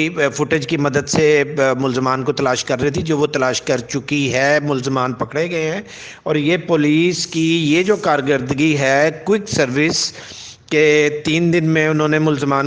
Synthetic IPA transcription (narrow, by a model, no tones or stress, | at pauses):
fʊʈɪd͡ʒkimɐd̪əd̪semʊlzəmaːnkot̪ɐlaːʃkɐɾːɛɦit̪ʰid͡ʒoːʋot̪ɐlaːʃkɐɾt͡ʃʊkiɦɛmʊlzəmaːnpɐkɽeɡɐeɦɛ̃ː | ɔːɾjeːpoːliːskijeːd͡ʒoːkaːɾɡəɾd̪ɡiɦɛkwɪksɐɾʋɪs | ket̪iːnd̪ɪnmẽʊnɦõnemʊlzəmaːn